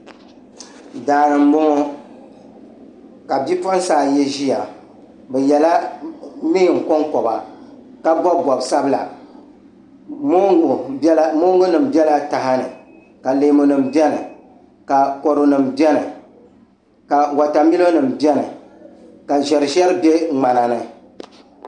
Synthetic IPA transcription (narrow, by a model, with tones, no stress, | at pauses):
daː˨nɨ˨m˦bo˦ŋo˦ | ka˨bi˦pɔ˦n˦saː˦˨jɛ˦ʒi˦a˨ | bɛ˨jɛ˨la˦ | nɨ˦˨ŋ̩˨kɔ˦ŋkɔ˨ba˨ | ka˦bɔ˦bbɔ˨bsa˦bɨ˦la̰˨ | mo˦˨˦mo˦ŋɡo˦nɨ˨m̩˨bɛ˦la˦ta˨ɦa˦nɨ̰˨ | ka˨leː˨mo˨nɨ˨mbɛ˦nɨ˨ | ka˨kɔ˨ɾo˨nɨ˨mbɛ˦nɨ˨ | ka˨wa˨ta˨mi˦lo˦nɨ˨mbɛ˦nɨ̰˨ | ka˨ʒɛ˨ɾɨ˨ʒɛ˦ɾɨ˦bɛ˦ŋ͡ma˨na˨nɨ˨